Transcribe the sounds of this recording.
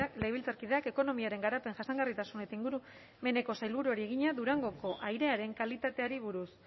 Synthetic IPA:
kle̞jβilt͡saɾkiðe̞ake̞ko̞no̞miaɾe̞ŋɡaɾape̞ŋʝasaŋɡarit̪asunet̪aiŋɡuɾu | me̞ne̞ko̞sajlβuɾuoɾieɣ̞iɲaðuɾaŋɡo̞ko̞ʔajɾe̞aɾe̞ŋkalit̪at̪e̞aɾiβuɾus

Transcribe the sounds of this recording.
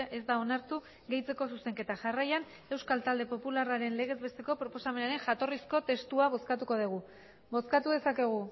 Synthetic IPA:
ezd̪ao̞naɾt̪u | ɣe̞jt͡se̞ko̞suse̞ŋke̞t̪aʝarajan | e̞wskalt̪ald̪e̞po̞pularaɾe̞nle̞ɣ̞e̞zβe̞st̪e̞ko̞pɾo̞po̞same̞naɾeŋʝat̪o̞risko̞t̪e̞st̪uaβo̞skat̪uko̞ðiɣ̞u | bo̞skat̪uðe̞sake̞ɣ̞u

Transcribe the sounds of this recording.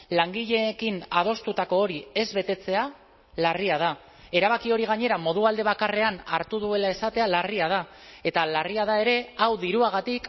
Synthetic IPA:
laŋɡiʎe̞kinað̞o̞st̪ut̪ako̞ːɾie̞zβe̞t̪e̞t͡se̞a | lariað̞a | e̞ɾaβ̞akio̞ɾiɣ̞aɲe̞ɾamo̞ð̞uald̪e̞β̞akare̞anaɾt̪uð̞ue̞lae̞sat̪e̞alariað̞a | e̞t̪alariaðae̞ɾe̞awðiɾuaɣ̞at̪ik

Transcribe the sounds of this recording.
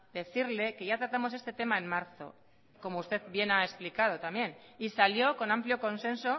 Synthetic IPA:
d̪e̞θiɾle̞ke̞ʝat̪ɾat̪amo̞s̬e̞st̪e̞t̪e̞maemmaɾθo̞̰ | ko̞moust̪e̞ðbje̞naesplikað̞ot̪amje̞nisaljo̞ko̞nampljo̞ko̞nse̞nso

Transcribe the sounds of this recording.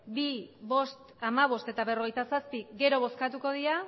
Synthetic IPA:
biβo̞st̪ | amaβ̞o̞st̪e̞t̪aβe̞ro̞ɣ̞ejt̪asaspiɡe̞ɾo̞β̞o̞skat̪uko̞ð̞iɾa

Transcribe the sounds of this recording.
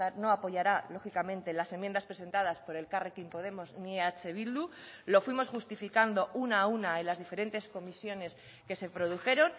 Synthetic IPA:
ano̞apo̞ʝaɾalo̞xikamẽ̞nt̪e̞lase̞mje̞nd̪aspɾe̞s̬e̞nt̪að̞aspo̞ɾe̞lkarekimpo̞ð̞e̞mo̞znieat͡ʃe̞βild̪ulo̞fwimo̞sxust̪ifikand̪o̞ʔunaːunaelazðife̞ɾe̞nt̪e̞sko̞misjo̞ne̞s | ke̞se̞pɾo̞ð̞uxe̞ɾo̞n

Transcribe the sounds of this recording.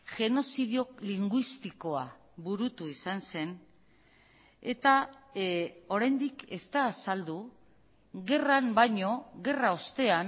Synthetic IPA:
ʝe̞no̞siðjo̞kliŋɡwist̪iko̞a | βuɾut̪uisanse̞n | e̞t̪a | o̞ɾajnd̪ike̞st̪aːsald̪u | ɣe̞ranbajɲo̞ɣe̞raost̪e̞an

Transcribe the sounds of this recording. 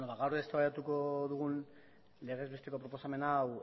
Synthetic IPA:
noβaɣawɾðest̪aβajat̪uko̞ðuɣ̞un | le̞ɣ̞e̞zβe̞st̪e̞ko̞pɾo̞po̞same̞naw

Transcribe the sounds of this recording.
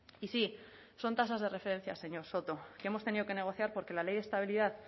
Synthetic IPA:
isi | so̞nt̪asazðe̞re̞fe̞ɾẽ̞n̟θjase̞ɲo̞ɾso̞t̪o̞keemot̪e̞niðo̞ke̞ne̞ɣ̞o̞θjaɾpo̞ɾke̞lale̞jðest̪aβiliðaθ

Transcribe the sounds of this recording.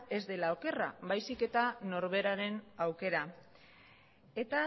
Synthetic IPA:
e̞zd̪e̞lao̞ke̞ra̰βajsike̞t̪ano̞ɾβe̞ɾaɾe̞nawke̞ɾa | e̞t̪a

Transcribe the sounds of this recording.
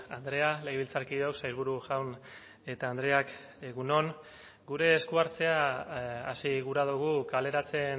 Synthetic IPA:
and̪ɾe̞alejβilt͡saɾkiðeo̞ksajɾβ̞uɾuʝawn | e̞t̪aːnd̪ɾe̞ak | ɣuno̞ŋ | ɡuɾe̞ːskuaɾt͡se̞aasiɣuɾaðuɣ̞ukale̞ɾat͡se̞n

